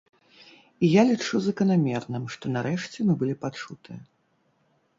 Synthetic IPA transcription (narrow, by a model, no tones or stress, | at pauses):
ijalʲit͡ʂuzɐkɐnamʲɛrnɨmʂt̪ɔnaɾɛʂt͡sʲɛmɨbɨlʲipat͡ʂut̪ɨjɐ